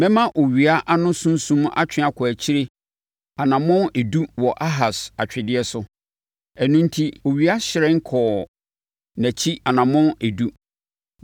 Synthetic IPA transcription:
mɛ̃˦mã˦ʔo˨ɥi˨a˦ʔa˦nʊ̃˦sũ˦n˦sũ˦m˦a̰˦t͡ɕʰᶣɪ̃˦a˦kʰɔ˨æ˨t͡ɕʰi˦ɾe˦ | a˨nã˨mʊ̃˦ne˨du˦wɔ˨ʔa˦ɦa˨sa˨t͡ɕᶣɪ˨dɪ˦ɛ˦sʊ˦ | ɛ˨nũ˦n˦tʰi˦o˨ɥi˨a˦ɕɪ˨ɾɛ˦ŋ̩˦kʰɔː˨ | næ̃˨t͡ɕʰi˦a˨nã˨mʊ̃˦ne˨du˦

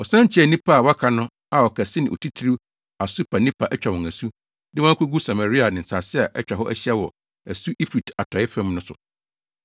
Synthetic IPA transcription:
ɔ˨sã˦ɲ˦t͡ɕʰi˦ɛ˦˨nĩ˦pʰa˦a˨wɔ˦kʰa˨nʊ̃˦ | a˨wɔ˨kʰæ˨sɪ˦nɪ̃˨o̰˨tʰi˦tʰɾi˦ | a˨su˦pʰa˨nĩ˦pʰa˨ʔɛ˦t͡ɕᶣa˨wɔ̃˨ŋæ˨su˦ | dɪ˦wɔ̃˦kʰu˦ɡu˦sa˨ma˨ɾi˦a˨nɪ̃˨n̩˨sa˨sɪ˦a˨ʔɛ˦t͡ɕᶣa˨ɦɔ˦ʔæ˦ɕi˦ɛ˦wɔ˨ | æ˨su˦ʔi˦fi˨ta˨tʰɔ˨˦ɛ˦fæ̃˦mnʊ̃˦sʊ̰˨

